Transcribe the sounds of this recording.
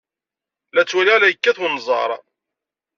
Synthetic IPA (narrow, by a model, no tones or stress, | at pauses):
læt͡sːwælilæjəkːæθunːzˤɑ̰ɾˤ